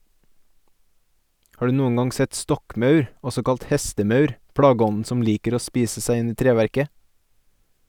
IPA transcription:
ˈhɑː ˈɖʉː ˈnuːəŋ ˈɡɑŋ ˈsɛt ˈstɔkˌmœʉɾ ˈɔsɔ ˈkɑlt ˈhɛstəˌmœʉɾ ˈpɽɑːɡəˌɔnn̩ ˈsɔm ˈliːkəɾ ˈoː ˈspiːsə ˈsæɪ ˈɪn ˈiː ˈtɾeːʋæɾkə

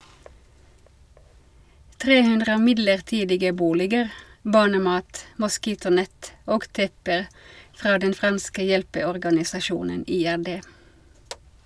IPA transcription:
ˈtʁeː ˈhʉndʁə ˈmɪdləʁˌtiːdɪɡə ˈbuːlɪɡəɾ ˈbɑːɳəˌmɑːt mʊˈskiːtʊˌnɛt ˈoːɡ ˈtɛpəʁ ˈfʁɑː ˈdɛn ˈfʁɑnskə ˈjɛlpəɔʁɡɑnɪsɑˌʃuːnən ˈiːæʁˌdeː

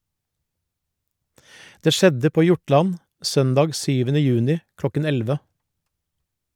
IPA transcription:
ˈdeː ˈʃɛdə ˈpoː ˈjʊˌʈlɑn ˈsœndɑːɡ ˈsyːʋənə ˈjʉːnɪ ˈklɔkən ˈɛlʋə

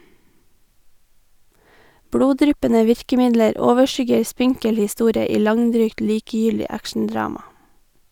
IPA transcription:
ˈbɽuːˌdɾʏpənə ˈʋɪɹkəˌmɪdləɾ ˈoːʋəˌʃʏɡəɹ ˈspɪŋkəl hɪˈstuːɾə ˈiː ˈlɑŋˌdɾyːkt ˈliːkəjʏldɪ ˈækʃn̩ˌdɹɑːmɑ

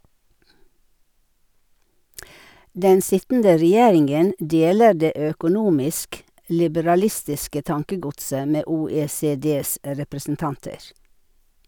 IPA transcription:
ˈdɛn ˈsɪtn̩də ɾɛˈjeːɾɪŋɡən ˈdeːlə ˈɖeː ˌøːkʊˈnuːmɪsk lɪbəɾɑˈlɪstɪskə ˈtɑŋkəˌɡʊtsə ˈmeː ˌuːˌeːˌseːˈdeːs ɾɛpɾəsn̩ˈtɑntəɾ

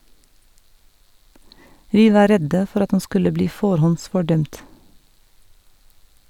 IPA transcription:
ˈʋiː ˈʋɑː ˈɾɛdə ˈfɔɾ ˈɑt ˈɑn ˈskʉlə ˈbliː ˈfoːɾhɔnsfɔˌɖœmt

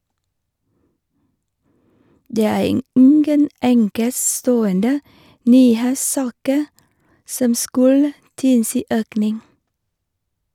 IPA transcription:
ˈdeː ˈæː ˈɪŋɡən ˈʔɛŋkəˌstoːəndə ˈnyːˌheːsˌsɑːkə ˈsɔm ˈskʉlə ˈtɪlsiː ˈʔøːknɪŋ

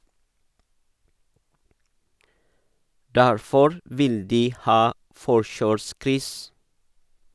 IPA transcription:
ˈdæɾfɔɾ ˈʋɪl ˈdiː ˈhɑː ˈfɔʃøːˌskɾʏs

